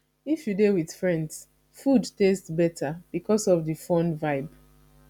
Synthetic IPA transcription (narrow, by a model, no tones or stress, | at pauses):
ifjudewið̥fɹɛ̃nds | fudtestbɛtʰab̥ikɔsɔvðɨfɔ̃nvaɪb